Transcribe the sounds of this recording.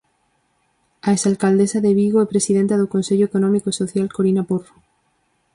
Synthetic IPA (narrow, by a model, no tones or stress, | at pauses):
aesalkald̪esaðeβ̞iɣ̞oepɾe̞sið̞ent̪aðokonseʎoekonõmikoiso̞θjalkoɾinapoɾfo